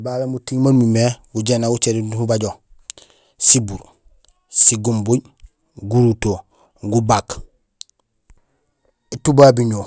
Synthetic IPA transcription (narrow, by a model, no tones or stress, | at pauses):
balemutimanmimeɡuɟenaɡut͡ʃeɾihubaɟo | sibuɾ | siɡumbuɟ | ɡuɾuto | ɡubak | itubabiɲo